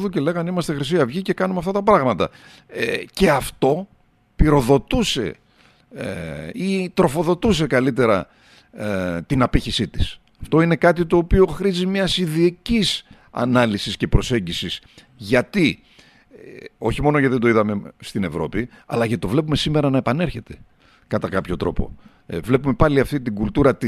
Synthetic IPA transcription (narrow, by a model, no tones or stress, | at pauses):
ðuce̞le̞ɣɐnimɐst̪e̞xɾisiɐvʝice̞kɐnumɐft̪ɐt̪ɐpɾɐɣmɐt̪ɐ̰ | ce̞ɐft̪o̞ | piɾo̞ðo̞t̪use̞̰ | it̪ɾo̞fo̞ðo̞t̪us̬e̞kɐlit̪̬e̞ɾɐ̰ | t̪inɐpiçisit̪i̥s | ɐft̪o̞ine̞kɐt̪̬it̪o̞ːpio̞xɾizimɲɐsiðiecis | ɐ̰nɐlisisce̞pɾo̞se̞ɲɟisis | ʝɐt̪i | o̞çimo̞nocɐðed̪o̞iðɐme̞st̪ine̞vɾo̞piɐ̰lɐʝɐt̪o̞vle̞p̬ume̞sime̞ɾɐnɐe̞pɐne̞ɾçe̞t̪e̞̥ | kɐt̪ɐkɐpço̞t̪ɾo̞̰po̞̰ | vle̞pume̞pɐliɐft̪it̪iɡult̪uɾɐt̪i